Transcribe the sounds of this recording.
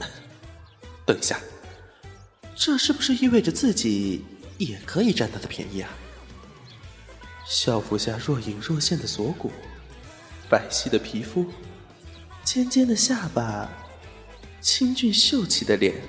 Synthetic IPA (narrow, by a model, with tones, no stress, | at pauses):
t̪we˥˩ɕja˥˩ | ʈ͡ʂɤ˥˧ʂɻ̩˥˩bu˩ʂɻ̩˥˧i˥nwe˥˩ɪʈ͡ʂə˩t͡sɹ̩˥˩t͡ɕi˨˩˦jɛ˨˩kʰɤ˧˥i˨˩ʈ͡ʂa˥˧nt̪a˥˩d̪ə˨pʰjɛ̰˧˥nḭ˥˩a˨˩ | ɕjɑ˥˩ʊfu˧˥ɕja˥˧ɻwɔ˥˩i˧˥ŋɻɔ˥˧ɕjɛ˥˩nd̪ə˩swɔ˧˥kṵ˨˩˦ | fa˨˩ɪɕi˥˩d̪ə˩pʰi˧˥fu˥ | t͡ɕʰjɛ˥nt͡ɕjɛ˥nd̪ə˨ɕja˥˩pa˨˩ | t͡ɕʰi˥nt͡ɕy˥˧nɕjo˥˩ʊt͡ɕʰi˧˩d̪ə˦˧ljɛ̰˨˩˦n